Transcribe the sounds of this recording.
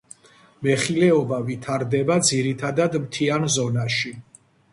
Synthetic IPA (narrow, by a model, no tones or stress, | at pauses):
mɛχilɛɔbavit̪ʰaɾd̪ɛbad̪ziɾit̪ʰad̪ad̪mt̪ʰianzɔnaʃi